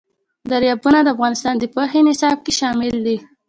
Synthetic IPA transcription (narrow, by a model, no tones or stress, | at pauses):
d̪aɾjɑbunad̪əafɣɑnɪst̪ɑnd̪əpoxenɪsɑb̚keʃɑmɪld̪i